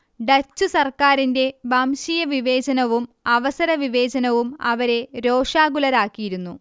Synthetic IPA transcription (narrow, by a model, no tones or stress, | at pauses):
ɖɐt͡ɕːusɐrkaːɾinde̞bɐmɕijɐʋiʋe̞ːt͡ɕɐnɐʋum | ɐʋɐsɐɾɐʋiʋe̞ːt͡ɕɐnɐʋumɐ̰ʋɐɾe̞ɾoːʂaːɡulɐɾaːkːijiɾunːu